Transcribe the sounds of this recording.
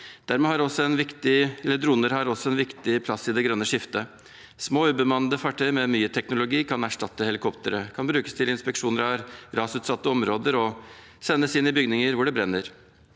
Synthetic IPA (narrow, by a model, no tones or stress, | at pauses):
d̪̥æɾmɛːhɑɾɔsɔɛnʋɪkt̪ɪɛləd̪ɾuːnəɾhɑɾɔsɔɛnʋɪkt̪ɪpʰlɑsːɪd̪ɛɡɾœnːəʂɪft̪ə | smoːʉːbəmɑnːəd̪əfɑʈʰœɪmɛmyːət̪ʰɛknʊlʊɡiːkʰɑnæʂʈɑt̪ːəhɛlɪkʰɔpt̪əɾəkʰɑnbɾʉːkə̥st̪ʰɪlɪnspɛkʂuːnəɾɑɾɾɑːsʉːt̪sɑt̪ːəɔmɾoːd̪əɾɔ | sɛnːəsɪnɪbʏɡnɪŋəɾʋʊɖɛbɾɛnːəɾ